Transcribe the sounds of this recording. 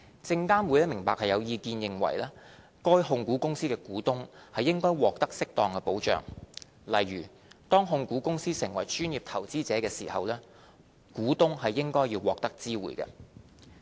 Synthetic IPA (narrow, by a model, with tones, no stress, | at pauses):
t͡sɪ˧ŋkaː˥nwu˨˧jɐ˥mɪ˨˩ŋpaː˨k̚hɐ˨jɐ˨˧wjiː˧kiː˧njɪ˨˧ŋwɐ̰˨˩jlɛː˥ | kɔː˥jɦʊ˧ŋkuː˨˥kʊ˥ŋsiː˥kɛː˧kuː˨˥t̪ʊ˥ŋhɐ˨jːɪ˥ŋkɔː˥jwɔː˨k̚t̪ɐ˥k̚sɪ˥k̚t̪ɔː˨˩ŋkɛ˧po˨˥wt͡ʃœ̰ː˨ŋ | lɐ˨jɥyː˨˩ | t̪ɔː˥ŋɦʊ˧ŋkuː˨˥kʊ˥ŋsiː˥sɪ˨˩ŋwɐ˨˩jt͡ʃyː˥njiː˨p̚t̪ʰɐ˨˩wt͡siː˥t͡sɛː˨˥kɛː˧sḭː˨˩hɐ̰˨wlɛː˥ | kuː˨˥t̪ʊ˥ŋɦɐ˨jːɪ˥ŋkɔː˥jiː˧wːɔː˨k̚t̪ɐ˥k̚t͡siː˥wṵː˨˩jkɐ̰˧